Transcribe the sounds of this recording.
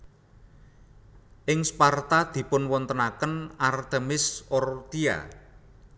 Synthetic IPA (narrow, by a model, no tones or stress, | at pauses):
ʔɪŋspart̪ad̪̥i̤pʊnwɔnt̪ənakənart̪əmɪsɔrt̪ia̰